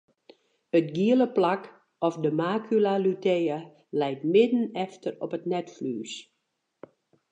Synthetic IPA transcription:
ətɡiələplak | ɔfdəmaːkʰylalutʰejə | lɛjtmɪdən̩ɛftərɔpətnɛtflyːs

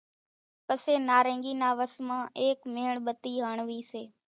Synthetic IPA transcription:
pəseːnaːɾə̃ːŋɡiːnaːʋəsmãːeːkmeːɳɓət̪iːɦaːɳʋiːseː

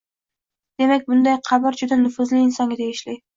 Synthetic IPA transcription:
d̪̥e̞mak̚ʲbʊnd̪ajqʰɑbɪɾd͡ʒʊd̪anʊfʊzlɪɪnsɒŋɡʲɪd̪ʰeɡɪʃlɪj

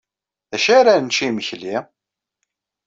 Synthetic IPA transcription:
æʃaɾant͡ʃːiməçli

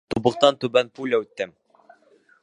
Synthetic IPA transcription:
t̪ubɤ̆q̚t̪ɑnt̪ʉbænpulʲaʉt̪ːɘm

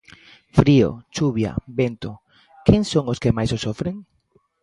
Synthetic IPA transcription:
fɾio̰t͡ʃuβja̰bent̪o | keŋsoŋoskemajsosofɾeŋ

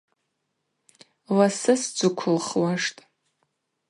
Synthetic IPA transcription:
lasɨsd͡zʷɨkʷʰʊlχwaʂtʼ

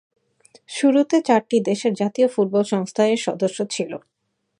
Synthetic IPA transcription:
ʃuɾut̪et͡ɕaɾʈid̪eʃeɾd͡ʑat̪iofuʈ̚bɔlʃɔŋst̪ʰaeɾʃɔd̪oʃːot͡ɕʰilo̰

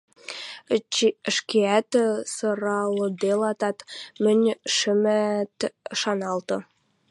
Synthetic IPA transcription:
ʃkeæt̪sɤ̆ɾɑlɤ̆d̪elɑt̪ɑt̪mɘ̆nʲʃɘ̆mæt̪ʃɑnɑlˠt̪ɤ̆

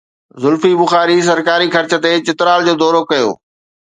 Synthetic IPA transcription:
zʊlfibʊxaːɾis̬ɐɾkaːɾixɐɾt͡ɕə̆t̪et͡ɕɪt̪ɾaːld͡ʑoːd̪ɔːɾokɐjo̰ː

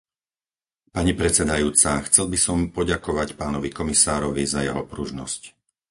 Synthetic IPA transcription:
paɲipɾɛt͡sɛd̪ajuːt͡saxt͡sɛlbisɔmpɔɟakɔʋacpaːnɔʋikɔmisaːɾɔʋizajɛ̰ɦɔpɾuʒnɔ̰sc

